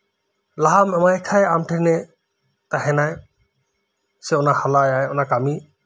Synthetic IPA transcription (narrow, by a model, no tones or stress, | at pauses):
laɦamɛmajkʰajamʈʰɛnɛ | t̪ahɛnaj | sɛɔnahalajajɔnakami